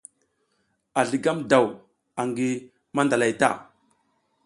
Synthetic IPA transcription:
a˨ɮi˨ɡa˦mda˨w | a˨ŋɡi˨ | ma˦nda˨la˨jta̰˦˨

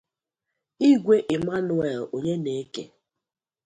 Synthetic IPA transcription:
i˦ɡʷe˦ʔɪ˨ma˦nʊ˨e˨ɾo˨ɲe˦ne˨˦kḛ˨

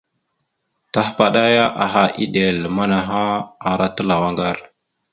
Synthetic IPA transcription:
ta˦hpa˨ɗa˦ja˦ʔa˨ɦa˨ʔi˦ɗe˨lma˦na˨ɦa˦a˨ɾa˦tə˦la˨wa˦ŋɡa˦˨ɾ

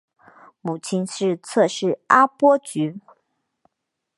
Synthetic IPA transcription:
mu˨˩t͡ɕʰi˥nʂɻ̩˥˧t͡sʰɤ˥˧ʂɻ̩˥˩a˥pwɔ˥t͡ɕy˧˥

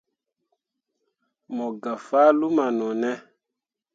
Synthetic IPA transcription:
mɔ˨ɡa˨faː˦lu˦ma˨nɔ˨nɛ˦

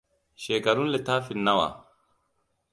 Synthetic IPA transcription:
ʃeː˨kɐ˨ɾʊ˦nlɛt̪aː˦fɪnːɐ˦wa̰ː˨

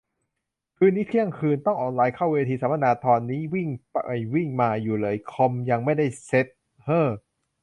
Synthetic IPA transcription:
kʰɯː˧nːiː˦˥˩t̪ʰi˥˩əŋkʰɯː˧nt̪ɔ˥˩ŋʔɔː˧˩nlaː˧jkʰa˥˩weː˧t̪ʰiː˧saː˨˦ma˥˧naː˧t̪ʰɔː˧nːiː˦˥wi˥˩ŋpːjwi˥˩ŋmaː˧juː˨˩lɤː˧jkʰo˧mja˧ŋma˥˩jda˥˩jse˦˥t̪̚ | hɤː˧˥˩

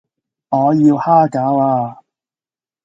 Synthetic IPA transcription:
ŋɔː˨˧jiː˧whaː˥kaː˨˥waː˧

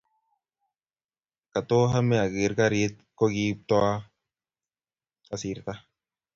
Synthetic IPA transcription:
ka˨t̪o˦ɦa˦mɛ˦a˨ɡi˨˦ɾka˦ɾi˦t̪̚ko˦ɡi˦p̚t̪ɔ˦a˦ | a˨si˨ɾt̪a˦

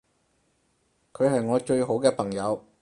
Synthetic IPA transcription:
kʰɵ˨˧ɥɦɐ˨jŋɔː˨˧t͡ʃɵ˧ɥɦo˨˥wkɛː˧pʰɐ˨˩ŋjɐ˨˧w

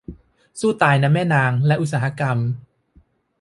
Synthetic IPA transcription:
suː˥˩t̪aː˧jna˦˥mːɛː˥˩naː˧ŋlɛ˦˥ʔu˧˥t̚saː˩˦˩a˧˥ka˧m

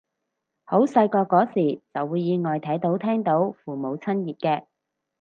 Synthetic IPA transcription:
ho˨˥wsɐ˧jkɔː˧kːɔː˨˥siː˨˩t͡sɐ˨wːuː˨˧jːiː˨˧ŋɔː˨jt̪ʰɐ˨˥jt̪o˨˥wt̪ʰɛː˥ŋt̪o˨˥wfuː˨mo˨˧wt͡sʰɐ˥njiː˨˩t̚kɛː˧

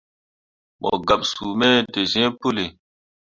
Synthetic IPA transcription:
mɔ̰˨ɡa˨ɓsu˨mɛ˦de˨zɛ̃˦pu˦le˨

